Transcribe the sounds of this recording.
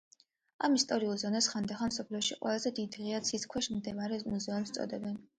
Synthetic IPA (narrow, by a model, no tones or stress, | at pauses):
a̰mist̪ʼɔɾiulˠzɔnasχand̪aχamsɔpʰliɔʃiqʼwɛ̰lˠazɛd̪id̪ʁiat̪sʰiskʰwɛʃmd̪ɛvaɾɛmuzɛɔmst̪sʼɔ̰d̪ɛbɛn